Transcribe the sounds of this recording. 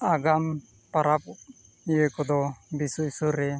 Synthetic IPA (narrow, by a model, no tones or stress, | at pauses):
aɡam | paɾap̚ | ijekɔd̪ɔbisuisuɾɛ